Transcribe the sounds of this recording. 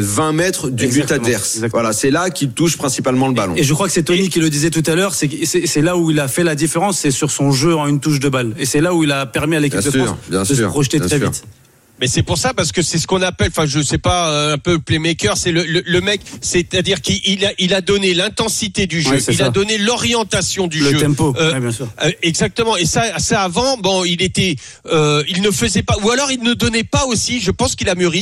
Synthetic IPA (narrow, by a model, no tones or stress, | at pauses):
vɛ̃mɛt̪χd̪ybyt̪avɛʁsɛɡzak̪vwalasɛlakʲilt̪uʃpχɛ̃sipalmɑ̃ləbalɔ̰̃eʒəkχwakə̥sɛt̪ɔnikʲilːəd̪izɛt̪ut̪alœʁsɛsɛsɛlauilafɛlad̪ifeʁɑ̃sːɛsyʁsɔ̃ʒøɑ̃ynt̪uʃ̬d̪əbalesɛlauilapɛʁmialekʲid̪əfsɑsbjɛ̃sd̪əsəʁpχɔʃt̪et̪χɛvḭt̪ | mɛsɛpuʁsapaʁsə̥kəsɛsə̥kɔ̃napɛlɑ̃fɛ̃ʒəsɛpaøɛ̃pøplɛmɛkʲœʁsɛlələləmɛksɛt̪ad̪iʁkiʔilaʔilad̪ɔnelɛ̃t̪ɑ̃sit̪ed̪yʒøsilad̪ɔnelɔʁjɑ̃t̪asjɔ̃d̪yləʒøɛ̃mpobjɛ̃syʁɛɡzak̚t̪əmɑ̃esasaːvɑ̃bɔ̃ilet̪ɛ | øilnəfəzɛpaualɔʁilnəd̪ɔnɛpaosiʒəpɑ̃skilamyʁi